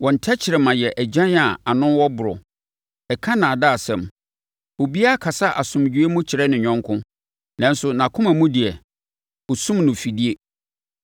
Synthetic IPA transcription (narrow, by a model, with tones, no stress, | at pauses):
wɔ̃˨n̩˨tʰɛ˦t͡ɕʰɪ˨ɾɛ˨mã˨jɛ˨ʔæ˨d͡ʑã˦na˨a˨nʊ̃˦nwɔ˦bʊ˨ɾɔ̰˨ | ɛ˨kʰã˦nã˨da˦a˨sɛ̃˨m | o˨bi˦a˦˨kʰa˨sa˦ʔa˨sʊ̃˨md͡ʑᶣu˨˦e˦mʊ̃˦t͡ɕʰɪ˨ɾɛ˦nɪ̃˨ɲᶣɔ̃˦ŋkʰʊ̃˦ | nã˦n˦sʊ˨nã˨kʰʊ̃˦mã˨mũ˦dɪ˨ɛ˨ | o˨sũ˦mnʊ̃˨fi˨di˦e˦